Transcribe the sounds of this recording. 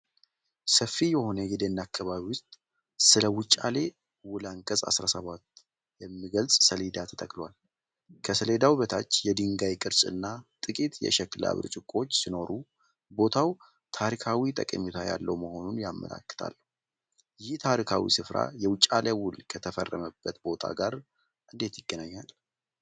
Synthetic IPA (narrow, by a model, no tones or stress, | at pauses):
səfːijɛho̞nəɡid̪enːakʰːaβaβiwʊst̪ʼ | sɨləwʊt͡ʃʼale̞ | wʊlaŋkʼəsʼa̰sɾasəβat̪ː | jɛmːiɡəlsʼsəled̪at̪ʰət̪ʼəkʼlwal | kʰəsəled̪awβət̪ʰat͡ʃːjɛd̪ɨŋɡajkʼɨɾsʼɨ̰nːat̪ʼɨkʼit̪jɛ̰ʃɛkːla̰βɨ̰ɾt͡ʃʼɪkʼo̞t͡ʃːsino̞ɾu | bo̞t̪ʰaw | t̪ʰaɾikʰawit̪ʼəkʼəɲːut̪ʰajalːəwməho̞nunjamːə̰la̰kːɨ̥t̪ʰa̰lːəhu | jɪht̪ʰaɾikʰawḭsɨfɾa̰jɛwʊt͡ʃʼːalewʊlkʰət̪ʰəfə̰rːəməbːət̪bo̞t̪ʰa̰ɡaɾ | ʔɨnd̪e̞t̪jɪɡːənaɲːal